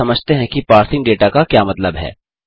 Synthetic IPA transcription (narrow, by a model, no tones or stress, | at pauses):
ɐməd͡ʒʱt̪eɦɛ̃kipaːɾsɪ̃ŋɡɖeːʈakakjaːmɐt̪ləbɦɛ̰ː